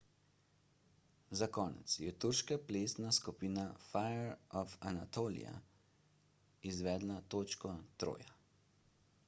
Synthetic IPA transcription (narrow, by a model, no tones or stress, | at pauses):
zakɔːnɛ̰t̪sjɛt̪uɾʃkapleːsnaskupiːnafajɛɾɔfanat̪oːlḭja̰ | izʋɛːd̪lat̪oːt͡ʃkɔt̪ɾo̰ːja